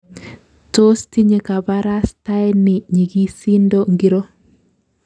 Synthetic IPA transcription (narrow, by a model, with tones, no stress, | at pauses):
to˦sti˦ɲe˨ka˨baɾa˦sta˦jnɪ˨ɲi˨ɡi˦si˦ndo˦ŋɡi˦ɾo˦